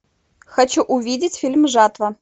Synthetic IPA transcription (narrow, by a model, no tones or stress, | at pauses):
xɐt͡ɕuʔʊvʲidʲɪt͡sʲfʲilʲmʐat̪vɐ